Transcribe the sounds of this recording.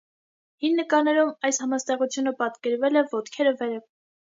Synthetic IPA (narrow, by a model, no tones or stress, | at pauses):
hinːəkɑɾnɛɾumɑjshɑmɑst̪ɛʁut͡sʰjunəpɑt̪kɛɾvɛlɛvɔt̪kʰɛɾəvɛɾə